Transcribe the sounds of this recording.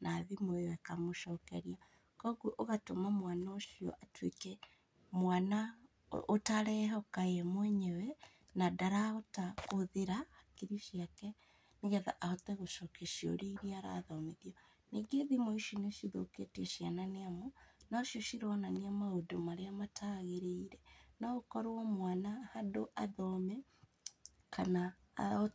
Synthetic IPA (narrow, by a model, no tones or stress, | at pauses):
naːðimoewɛkamoʃɔːkɛɾia | kɔɣuʔoɣatomamwanaoʃiɔ̰ʔatwḛkɛ | mwana | otaɾɛhɛokaeɛmwɛɲɛwɛ | nadaɾaotakoðeɾahakiɾiʃijakɛ | neɣɛða̰ʔaotɛɣoʃokeʃijo̰ɾeiɾiaɾa̰ðɔmeðiɔ | neɡeðimoiʃineʃiðoketiɛʃiananeamonɔʃjoʃiɾwɔnaniamaodomaɾeamatʰaːɣeɾeiɾɛnaokɔɾɔmwanahadoʔaðɔmɛ | kana | o